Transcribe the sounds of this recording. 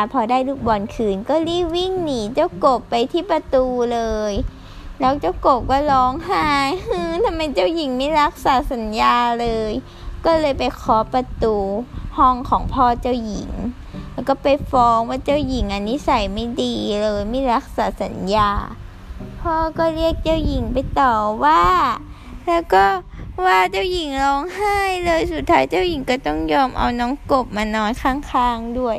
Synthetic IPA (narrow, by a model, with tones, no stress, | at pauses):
a˧pʰɔː˧daː˥˨jluː˧˩k̚bɔː˨nkʰɯː˨˧˩nkɔː˧˥˩liː˧˥˩wi˥˩ŋniː˧˩t͡ɕa˧˥˩wko˨˩pːa˧jt̪ʰiː˥˩pa˧t̪uː˧lɤː˧j | lɛː˦˥wt͡ɕa˧˥˩wko˨˩p̚kɔː˧˥˩lɔː˨˦˥ŋɦaː˧˥˩jʔɯː˧t̪ʰa˧mːa˧jt͡ɕa˥˩wji˨˩˦ŋmiː˧˥˨ɾa˦˥k̚saː˨˩˦sa˨˦njaː˧lɤː˧j | kɔː˧˥˩lɤː˧jpa˨jkʰɔː˨˦pa˧t̪uː˧hɔ˥˩ŋkʰɔː˩˦ŋpʰɔː˧˥˩t͡ɕa˧˥˩wji˨˩˦ŋ | lɛː˧˥˩wkɔː˥˩pa˨jfɔː˨˦˥ŋwaː˧˩t͡ɕa˧˩˨wji˨˩˦ŋʔa˧nːiː˦˥˨sa˨˩˦jma˥˩jdiː˧lɤː˧jmiː˧˥˨ɾa˦˥˩k̚saː˨˦sa˨˦njaː˧ | pʰɔː˧˥˩kɔː˧˩li˥˩ək̚t͡ɕa˧˥˨wji˨˩˦ŋpa˨˧jt̪ɔː˨˩waː˧˩ | lɛː˧˥˩wkɔː˧˥˩waː˧˩t͡ɕa˧˩˨wji˨˦ŋlɔː˧˥ŋhaː˥˩jlɤː˧jsu˨˩t̪ʰːaː˦˥jt͡ɕa˧˥˨wji˨˦ŋkɔː˧˩t̪ɔ˥˩ŋjɔː˧˩mʔa̰˧wnɔː˧˦˥ŋko˨˧˩p̚maː˧nɔː˧˥jkʰaː˧˥˩ŋkʰaː˧˥˩ŋdu˥˩əj